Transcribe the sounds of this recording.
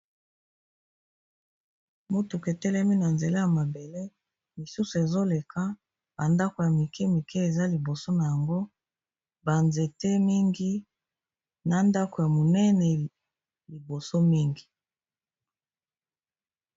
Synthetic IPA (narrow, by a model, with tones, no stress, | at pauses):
mo˦tu˨ke˨tɛ˦lɛ˦mi˦na˨nze˨la˦ja˨ma˨be˨le˦ | mi˨su˦su˨e˨zo˦le˨kʰa˦ | ba˨nda˦ko˨ja˨mi˨kɛ˦mi˨kʰɛ˦e˨za˦li˨bo˨so˦na˨ja˨ŋɡo˦ | ba˨nze˨te˦mi˦ŋɡi˦ | na˨nda˦ko˨ja˨mo˨nɛ˦nɛ˨ | li˨bo˨so˦mi˦ŋɡi˨